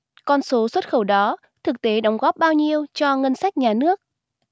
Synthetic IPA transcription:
kɔ˧nso˨˦swə˦˥t̚xə˧˩wɗɔ˨˦ | t̪ʰɨ˨˩k̚t̪e˨˦ɗɔ˨˦wŋ͡mɣɔ˦˥p̚ɓaː˧wɲi˧əwt͡ɕɔ˧ŋə˧nsa˦˥jk̟̚ɲaː˨˩nɨ˦˥ək̚

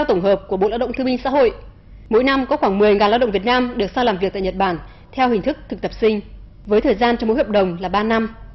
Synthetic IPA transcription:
wt̪ə˧˩wŋ͡mɦəː˨˩p̚ku˧˩əɓo̰˨laː˧wɗə˧˨ŋ͡mt̪ɨ˧mï˧ŋ̟sa̰ː˧˥ho̰˧˨j | mo̰˧˥jna˧mkɔ˨˦xwaː˧˩ŋmɨ˨˩əjŋaː˨˩nlaː˧wɗə̰˧˨vi˨˩ət̚naː˧mɗɨ˨˩ək̚saː˧ŋlaː˨˩mvi˨˩k̚t̪aː˧˨ɲə˨˩t̚ɓaː˧˩n | t̪ʰɛ˧whï̟˨˩t̪ɨ˦˥k̚t̪ʰɨ˨˩k̚t̪ə˨˩p̚sï˧ŋ̟ | vəː˨˦jt̪ʰəː˨˩jzaː˧nt͡ɕɔ˧ŋ͡mmːo̰˧˥˦jhəː˨˩p̚ɗə˨˩wŋ͡mlaː˨˩ɓaː˧na˧m

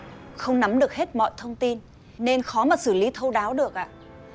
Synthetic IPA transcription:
xə˧wŋ͡mna˨˦mɗɨ˨˩ək̚he˦˥t̚mɔ̰˧˨jt̪ʰə˧wŋ͡mt̪i˧n | ne˧nxɔ˨˦maː˨˩t̚sɨ˧˩li˨˦t̪ʰə˧wɗaː˨˦wɗɨ˨˩ək̚ʔa̰ː˧˨

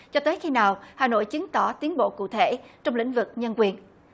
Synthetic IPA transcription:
t͡ɕɔ˧t̪əː˨˦jxi˧naː˨˩whaː˨˩no̰˧˨jt͡ɕi˨˦ŋt̪ɔ˧˩t̪i˨˦ənɓo̰˧˨kṵ˧˨t̪ʰe˧˩˨t͡ɕɔ˧wŋ͡mlḭ̈˧˥˨ŋ̟vɨ˨˩k̚ɲə˧nkwi˨˩ən

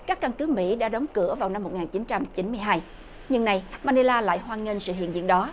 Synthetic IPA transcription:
kaː˦˥kːa˧nkɨ˨˦mḭ˧˥ɗa̰ː˧˥ɗwŋ͡mkɨ˧˩əvaː˨˩wna˧mːo˨˩t̚ŋaː˨˩nt͡ɕi˨˦nt͡ɕa˧mt͡ɕi˨˦nmɨ˧əjɦaː˧j | ɲɨ˧ŋna˨˩jmaː˧ni˧laː˧la̰ː˧˨jɦwaː˧ŋi˧nsɨ̰˧˨hḭ˧˨nzḭ˧˨ənɗɔ˨˦

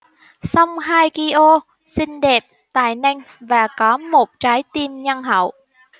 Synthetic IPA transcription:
sa˧wŋ͡mhaː˧jki˧ʔo˧ | si˧ŋ̟ɗe˨˩p̚t̪a̰ː˧˨jna˧jŋ̟ | vaː˨˩kɔ˨˦mo˨˩t̚t͡ɕaː˨˦jt̪i˧mɲa˧nɦə̰˧˨w

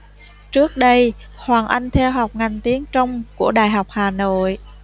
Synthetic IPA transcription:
t͡ɕɨ˦˥ək̚ɗə˧j | hwaː˨˩ŋʔa˧jŋ̟t̪ʰɛ˧wɦa˨˩wk͡p̚ŋa˨˩jŋ̟t̪i˨˦əŋt͡ɕə˧wŋ͡mku˧˩əɗa̰ː˧˨jɦa˨˩wk͡p̚haː˨˩no̰˧˨j

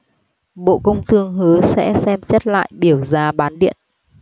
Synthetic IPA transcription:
ɓo̰˧˨kə˧wŋ͡mt̪ʰɨ˧əŋɦɨ˨˦sɛ̰˧˥sɛ˧mt͡ɕɛ˦˥t̚la̰ː˧˨jɓi˧˩əwzaː˧ɓaː˨˦nɗḭ˧˨ənʔ

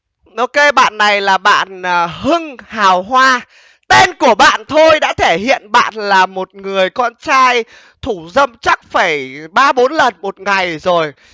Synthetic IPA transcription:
ʔo˧ke˧ɓa̰ː˧˨nːa˨˩jlaː˨˩ɓa̰ː˧˨nː˨˩ɦɨ˧ŋhaː˨˩wɦwaː˧ | t̪e˧nku˧˩əɓa̰ː˧˨nt̪ʰo˧jɗa̰ː˧˥t̪ʰe˧˩ɦḭ˧˨ənɓa̰ː˧˨nlaː˨˩mo˨˩t̚ŋɨ˨˩əjkɔ˧nt͡ɕaː˧j | t̪ʰu˧˩zə˧mt͡ɕa˦˥k̚fə˧˩jɓaː˧ɓo˨˦nlə˨˩nmo˨˩t̚ŋa˨˩jzo˨˩j

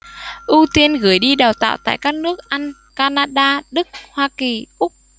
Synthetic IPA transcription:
ʔu˧t̪i˧ənɣɨ˨˩˦jɗi˧ɗaː˨˩wt̪a̰ː˧˨wt̪a̰ː˧˨jkaː˦˥k̚nɨ˦˥ək̚ʔa˧jŋ̟ | kaː˧naː˧ɗaː˧ɗɨ˦˥k̚hwaː˧ki˨˩ʔʊ˦˥k͡p̚

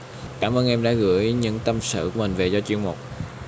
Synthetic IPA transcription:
kaː˧˩mʔəː˧nʔɛ˧mɗa̰ː˧˥ɣɨ̰˧˥əjɲɨ̰˧˥ŋt̪ə˧msɨ̰˧˨ku˧˦əmï˨˩ŋ̟ve˨˩zɔ˧t͡ɕḭ˧˨əŋmo˨˩t̚

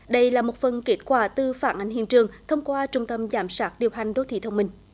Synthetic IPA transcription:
ɗə˧jlaː˨˩mo˨˩t̚fə˨˩nke˦˥t̚kwaː˧˩t̪ɨ˨˩faː˧˩nʔa̰˨˧˩jŋ̟hḭ˧˨nt͡ɕɨ˨˩əŋt̪ʰə˧wŋ͡mkwaː˧t͡ɕʊ˧ŋ͡mt̪ə˧mzaː˧˩msaː˦˥t̚ɗi˨˩əwɦa˨˩jŋ̟ɗo˨˦˥t̪ʰḭ˧˨˩t̪ʰwŋ͡mmï˧˩ŋ̟

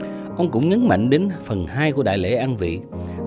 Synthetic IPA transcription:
ʔə˧wŋ͡mkʊ̰˧˥wŋ͡mɲə˨˦nma̰˧˨ŋ̟ɗe˨˦nfə˨˩nhaː˧jku˧˩əɗa̰ː˧˨jlḛ˧˥ʔaː˧nvḭ˧˨

